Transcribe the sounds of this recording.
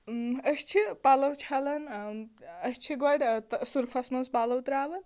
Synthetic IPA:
əst͡ʃʰipalɐwt͡ʃʰɐlɐn | əst͡ʃʰiɡɔɽʲt̪suɾpʰɐsmɐnspalɐwt̪ɾaʋɐn

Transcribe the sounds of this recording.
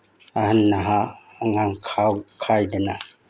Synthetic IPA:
ahanːaɦaː | ŋamkʰawkʰajdɐna

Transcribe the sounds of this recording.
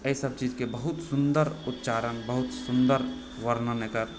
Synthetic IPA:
əisəb̚t͡ʃiːd͡ʒkebəɦʊt̪sʊnd̪əɾʊt̪t͡ʃaːɾənbəɦʊt̪sʊnd̪əɾ | ʋəɾnəmekəɾ

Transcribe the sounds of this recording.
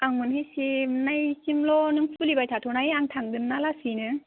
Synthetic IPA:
aŋunɦesinajsimlɔnɯŋsʰulibajtʰatʰɔnajaŋtʰaŋdɯnnalasinɯ

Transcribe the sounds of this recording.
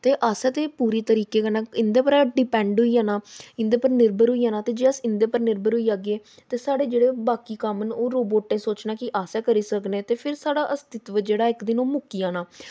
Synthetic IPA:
t̪eːʔaːsɛːt̪eːpuːɾiːt̪əɾiːkeːkənaːɪnd̪eːpəɾaːɖɪpɛ̃ːɳɖɦʊiːaːnaːɪ̃nd̪eːpəɾnɪɾbəɾɦʊiːaːnaːt̪eːd͡ʒeːəsɪnd̪eːpəɾnɪɾbəɾɦʊiːaːɡeː | t̪eːsaːɽeːd͡ʒeːɽeːbaːkiːkəmənoːɾoːboːʈːẽːsoːt͡ʃnaːkɪʔaːsɛːkəɾiːsəknẽːt̪eːpʰɪɾsaːɽaːʔəst̪ɪt̪ʋəd͡ʒeːɽaːɪkd̪ɪnoːmʊkiːaːnaː

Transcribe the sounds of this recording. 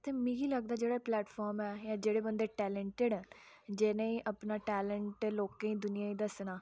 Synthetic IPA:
t̪eːmĩɡiːləɡd̪aːd͡ʒeːɽaːplɛːʈpʰɔːɾmɛːjãːd͡ʒeːɽeːbənd̪eːʈɛːləɳʈeɖd͡ʒeːnẽːiːʔəpnaːʈɛːləɳʈloːkẽːĩːd̪ʊnɪjãːĩːd̪əsnaː

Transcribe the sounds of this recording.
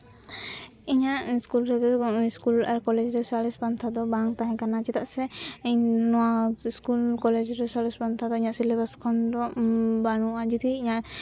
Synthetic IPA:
iɲaʔskulɾɛd̪ɛiskulaɾkɔlɛd͡ʒɾɛsalisbant̪ʰad̪ɔbaŋt̪aɦɛ̃kanat͡ʃɛt̪aʔsɛiɲnɔwaskulkɔlɛd͡ʒɾɛsalispant̪ʰad̪ɔiɲaʔsilɛbaskʰɔnd̪ɔbañuad͡ʒɔd̪iiɲaʔ

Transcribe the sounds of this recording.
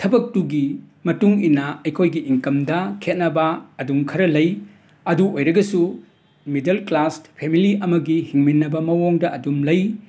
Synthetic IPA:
tʰɐbɐk̚tuɡi | mɐtuŋinɐɐjkʰojɡiʔiŋkɐmdɐkʰet̚nɐbɐɐduŋkʰɐɾɐlɐj | ɐduojɾɐɡɐsu | midelklaspʰemiliɐmɐɡihiŋminːɐbɐmɐwoŋdɐʔɐdumlɐj

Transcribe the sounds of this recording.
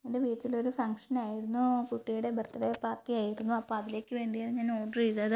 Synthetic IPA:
endeʋiːtːilo̞ɾufɐŋkʂɐnaːjiɾunːukuʈːijuɽe̞bɐrt̪ːɐɽepaːrʈːiaːjiɾunːuɐpːoːɐðile̞ːkʲːɨʋe̞ːɳɖijaːlɲaːnoːɖriðɐðɨ

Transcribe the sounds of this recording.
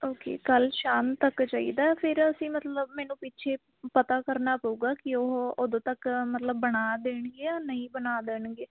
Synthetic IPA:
oːkḛːkəlʃaːnt̪əkt͡ʃaːḭːd̪aːɛpʰɪɾəsĩːmət̪ləbmɛːnũːpɪt͡ʃʰeː | pət̪aːkəɾnaːpəuːɡaːkɪoɦoːd̪õːt̪əkmət̪ləbːəɽaːd̪eːɳɡeːaːnəĩːbənaːd̪eːɳɡeː

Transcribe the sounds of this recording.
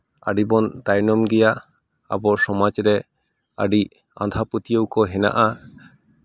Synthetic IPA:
a̰ɖibɔnt̪ajnɔmɡɛjaʔ | a̰bɔɾsɔmad͡ʒɾɛ | a̰ɖi | a̰nd̪ʱaput̪ijowkɔɦɛna̰ʔa

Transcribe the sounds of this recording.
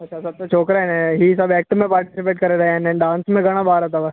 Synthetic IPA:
ɐtːʃʰasɐb̚t̪ot͡ʃʰoːkɾaɛ̃nɛ̃ɦisɐbɛːk̚ʈmẽpaːɾʈɪsɪpeːʈkɐɾed̪aẽnẽɖãːnsmẽɡɐɽ̃abaːɾat̪aʋa

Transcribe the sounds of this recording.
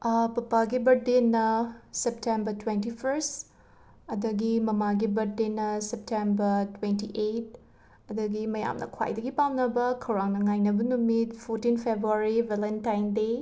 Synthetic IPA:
pɐpaɡibɐɾdenːɐseptembɐtwentipʰɐɾs | ɐdɐɡimɐmaɡibɐɾdenːɐsep̚tembɐɾtwentiʔet̚ | ɐdɐɡimɐja̰mnɐ̰kʰwa̰jdɐɡipamnɐbɐkʰɐwɾaŋnɐŋajnɐbɐnumitpʰoɾtinpʰebɾuaɾivelentajnde

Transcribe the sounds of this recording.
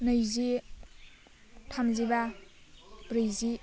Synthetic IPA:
nəjzi | tʰamziba | bɾɯjzi

